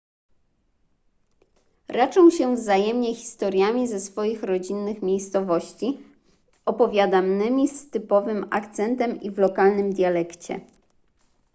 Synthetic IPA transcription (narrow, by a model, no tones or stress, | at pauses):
ɾat͡ʂɔ̃w̃ɕɛvzajɛmɲɛxʲi̥st̪ɔɾʲjamʲizɛsfɔjixɾɔd͡ʑinːɘxmʲejst̪sɔvɔɕt͡ɕi | ɔpɔvʲjad̪amnɘmʲist̪ɘpɔvɘma̰kt̪sɛnt̪ɛmivlɔkalnɘmd̪ʲjalɛkt͡ɕɛ̰